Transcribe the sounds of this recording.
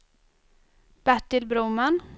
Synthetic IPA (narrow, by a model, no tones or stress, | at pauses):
b̥æʈːɪlbɾuːman